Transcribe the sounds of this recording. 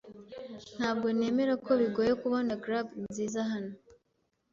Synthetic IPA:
n̥haːb̚ɡo̞ne̞ːme̞ɾakʰo̞βiɡo̞ːjekuβonaɡɾabinziːzaɦano

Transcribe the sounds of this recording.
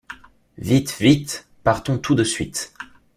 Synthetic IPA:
vit̪vit̪ | paʁt̪ɔ̃t̪ud̪əsɥit̪

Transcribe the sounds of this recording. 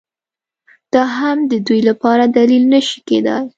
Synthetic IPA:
d̪̥ɑɦamd̪əd̪ujlapɑɾad̪alilnəʃi̥kḛd̪ə̰j

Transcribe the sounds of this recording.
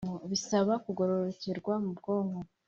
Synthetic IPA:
ŋoβisaβakuɡo̞ɾo̞ɾoceɾɡwamubɡo̞ːŋɡo

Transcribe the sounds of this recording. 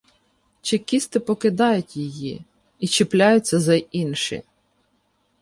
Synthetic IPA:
t͡ʃɪkʲist̪ɪpɔkɪd̪ɑjʊtʲjiji | it͡ʃɪplʲajʊt͡sʲːɐzɐinʃɪ̰

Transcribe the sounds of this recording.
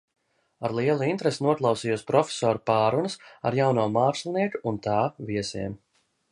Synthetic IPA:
aɾlˠiɛlˠuint̪ɾesnuɔk̪lˠawsiːjuɔspɾɔfʲe̥sɔːɾupaːɾunɐsa̰ɾjawnuɔmaːkʃlˠniɛkuunt̪aːviɛsḭɛm

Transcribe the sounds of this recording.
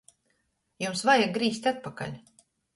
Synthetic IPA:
jumsvajaɡ̚ɡɾiːs̬ʲt̪ʲat̪̚paka̰lʲ

